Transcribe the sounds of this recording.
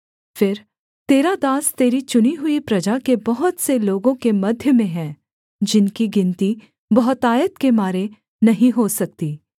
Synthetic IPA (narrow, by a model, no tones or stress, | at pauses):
fɪɾ | t̪eːɾad̪aːst̪eːɾit͡ʃʊniɦʊipɾɐd͡ʒakebɐɦʊt̪seloːɡõkemɐd̪ʱjəmẽɦɛ̃ː | d͡ʒɪnkiɡɪ̃nt̪i | bɐɦʊt̪aːjət̪kemaːɾe | nɐɦĩɦosɐk̚t̪iː